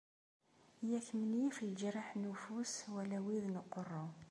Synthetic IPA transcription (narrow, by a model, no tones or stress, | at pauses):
jæçmənifld͡ʒɾaħnufuswælæwiðnəqːɔrˤːo